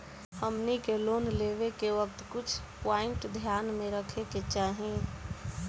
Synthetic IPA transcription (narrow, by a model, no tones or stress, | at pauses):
həmnikeloːnleːʋekeʋək̚t̪kʊt͡ʃʰpaːɪ̃ɳʈd̪ʱjaːnmẽɾəkʰeket͡ʃaːɦẽ